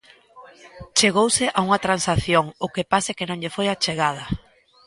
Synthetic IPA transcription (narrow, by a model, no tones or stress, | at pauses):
t͡ʃeɣowsɪʔauŋɐt̪ɾansaθjoŋʊkepasekɪnõŋʎefojat͡ʃeɣað̞ɐ